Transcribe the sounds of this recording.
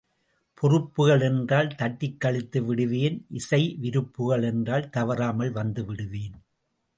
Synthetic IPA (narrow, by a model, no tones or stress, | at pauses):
pʰɔrɯpːɯɣɐɭɛndraːlt̪ɐʈːɪkːɐɭɪt̪ːɯʋɪɽɯʋeːnʔɪsɐɪʋɪɾɯpːɯɣɐɭɛndraːlt̪ɐʋɐɾaːmɐɭʋɐnd̪ɯʋɪɽɯʋeːn